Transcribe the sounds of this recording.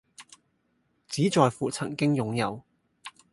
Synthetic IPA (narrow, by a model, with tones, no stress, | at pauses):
t͡siː˨˥t͡sɔː˨˧jfuː˨˩t͡sʰɐ˨˩ŋkɪ˥ŋjʊ˨˧ŋjɐ˨˧w